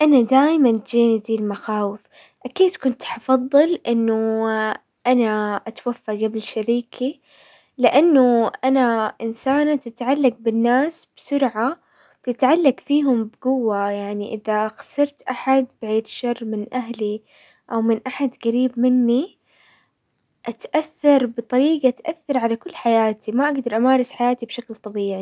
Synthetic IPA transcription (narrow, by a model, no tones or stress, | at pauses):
ʔanad̪aːjmant̪d͡ʒiːnd̪iːlmaxaːwɪf | ʔakiːd̪kʊnt̪ħɑfɑðˤːɨlʔɪnːʊ | ʔanaʔat̪wafːaɡablɪʃaɾiːkʰi | lɪʔanːʊʔanaʔɪnsaːnat̪ɪt̪ʕalːaɡ̚bɪnːaːsb̥sʊɾʕa | wt̪ɪt̪ʕalːaɡfiːɦʊmbɪɡʊwːajaʕniʔɪðaɣɑsɨɾˤt̪ʔaħad̪bɪʕiːd̪ʃɑrˤːmɪnʔaɦli | ʔawmɪnʔaħad̪ɣaɾiːbmɪnːi | ʔat̪ʔaθːɑɾˤbɨt̪ˤɑɾiːɡaʔt̪ʔaθːɑɾˤʕalakʊlːħajaːt̪ʰimaʔaɡd̪ɑɾˤʔamaːɾˤɑsħajaːt̪ibʃaklt̪ˤɑbiːʕi